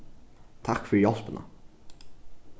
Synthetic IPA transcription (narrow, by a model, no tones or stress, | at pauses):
t̪ʰakːfœɾjɔlpənʔa̰